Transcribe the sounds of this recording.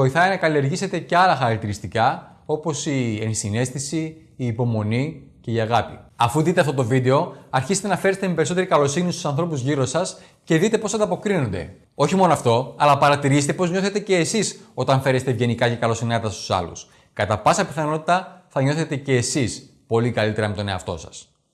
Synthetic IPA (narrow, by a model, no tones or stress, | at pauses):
o̞iθɐjnɐkɐlie̞ɾʝise̞t̪e̞ceɐlɐxɐɾɐk̚t̪iɾist̪ikɐ | o̞po̞siensine̞st̪isiː | po̞mo̞nice̞iɐɣɐpiɐfuðit̪eɐft̪ot̪o̞vid̪e̞o̞ɐɾçisest̪enɐfe̞ɾest̪emepe̞ɾisot̪eɾikɐlo̞sinist̪usɐnθɾo̞puzʝiɾo̞sɐs | ce̞ðit̪e̞po̞sɐnd̪ɐpo̞kɾino̞nd̪e̞̰ | o̞çimo̞noɐft̪o̞ɐlɐpɐɾɐt̪iɾiset̪e̞po̞zɲo̞θe̞t̪e̞ce̞ːsiso̞t̪ɐɱfe̞ɾest̪evʝe̞nikɐce̞kɐlo̞sinɐt̪ɐst̪u̥sɐ̰lṵs | kɐt̪ɐpɐsɐpiθɐno̞t̪i̥t̪ɐθɐɲo̞θe̞t̪e̞ce̞ːsis | po̞likɐlit̪e̞ɾɐmet̪o̞neɐ̰ft̪o̞̰sɐ̥̰s